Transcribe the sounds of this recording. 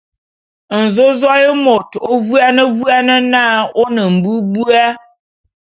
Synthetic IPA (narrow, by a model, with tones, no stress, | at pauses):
n̩˨zo˦zɔ˦jə˦mo˨to˦vu˦a˦nə˦vu˦a˦nə˦naː˦o˦nə˨m̩˨bu˦bu˦a˦